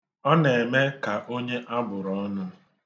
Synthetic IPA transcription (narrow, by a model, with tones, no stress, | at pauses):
ɔ˦ne˨me˦ka˨ʔo˦ɲe˦ʔa˦bʊ˨ɾɔ˦nʊ˦